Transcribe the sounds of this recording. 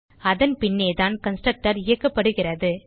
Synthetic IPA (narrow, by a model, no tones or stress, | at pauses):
ɐðɐnpɪnːeːt̪aːnkɐnsʈɾɐk̚ʈɐɾɪjɐkːɐpːɐɽɯɣɪrɐðɯ